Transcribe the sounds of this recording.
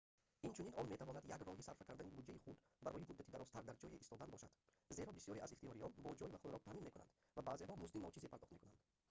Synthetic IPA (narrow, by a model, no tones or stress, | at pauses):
int͡ʃʰuninɔnme̞t̪ʰavɔnad̪jaɡrɔhisaɾfakʰaɾd̪anibud͡ʒaiχud̪ | baɾɔ̰jimud̪ːat̪ʰid̪aɾɔst̪ʰaɾd̪aɾd͡ʒɔjiʔist̪ɔd̪anbɔʃad̪̥ | ze̞ɾɔbisjɔɾiʔaziχt̪ijɔɾiɔnbɔd͡ʒɔjivaχud̪ɾɔt̪aʔminmekuna̰nd̪ | vabaːzeɦɔmuzd̪inɔt͡ʃizipʰaɾd̪ɔχt̪mekunand̪̥